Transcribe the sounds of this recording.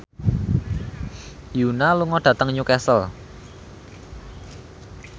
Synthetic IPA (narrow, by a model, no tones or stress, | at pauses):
junaluŋɔɖ̥a̤t̪əŋɲukɛsəl